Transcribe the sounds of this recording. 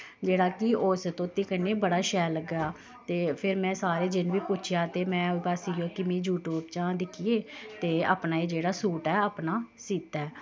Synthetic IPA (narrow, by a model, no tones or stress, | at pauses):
d͡ʒeːɽaːkɪoːst̪õːt̪iːkəneːbəɽaːʃɛːləɡaː | t̪eːpʰɪɾmɛ̃ːsaːɾeːd͡ʒɪnʋiːpʊt͡ʃʰjaːt̪eːmɛ̃ːpaːsijoːkɪmẽːjuːʈuːbt͡ʃãːd̪ɪkʰieːt̪eːa̰ːpnaːeːd͡ʒeːɽaːsuːʈɛːaːpnaːsiːt̪ɛː